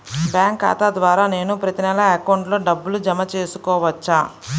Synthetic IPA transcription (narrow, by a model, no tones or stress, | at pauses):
bjaːŋka̰ːt̪ad̪ʋaːɾaːne̞ːnupɾɐt̪inɛlɐɐkɐwuɳʈlo̞ːɖɐbːulud͡ʒɐmɐt͡ʃe̞ːsukɔːʋɐt͡ʃːaː